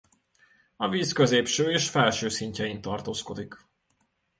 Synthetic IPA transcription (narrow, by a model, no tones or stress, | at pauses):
ɒviːskøzeːpʃøːeːʃfɛlʃøːsiɲcɛint̪ɒrt̪oːsko̞d̪ik